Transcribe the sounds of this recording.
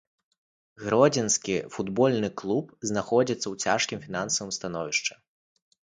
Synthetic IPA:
ɣɾɔd͡zʲinskʲifud̪bɔlʲnɨklˠupznaxɔd͡zʲit̪sːɐwt͡sʲaʂkʲimfʲin̪ansɐvɨmst̪anɔvʲiʂt͡ʂɐ̥

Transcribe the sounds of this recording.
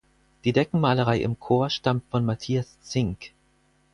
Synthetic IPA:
d̥iːdɛkŋ̩maːləʁ̞aɪʔɪ̰mkʰoːɐʃtamtfɔnmatʰiːast͡sɪŋk

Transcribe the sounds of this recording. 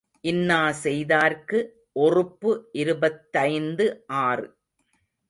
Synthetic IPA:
ʔɪnːaːsɛjðaːɾkɯ | ʔɔrɯpːɯʔɪɾɯbɐt̪ːɐɪnd̪ɯʔaːrɯ

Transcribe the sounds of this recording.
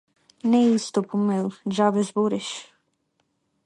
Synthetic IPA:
nɛist̪ɔpumɛlˠʒavɛzboɾɛʃ

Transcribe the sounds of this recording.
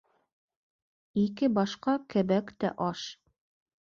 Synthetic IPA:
ikɘbɑʃqɑkɘ̆βækt̪æ̰ʔɑʃ

